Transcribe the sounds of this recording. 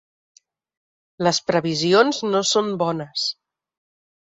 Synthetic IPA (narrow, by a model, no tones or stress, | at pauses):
ləspɾəβ̞izionznosombɔnəs